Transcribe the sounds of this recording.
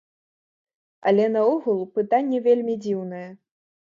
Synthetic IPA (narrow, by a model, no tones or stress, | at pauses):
ɐ̰lʲɛnɐɔɣulˠpɨt̪anʲːɛvʲelʲmʲid͡zʲiwnɐjɛ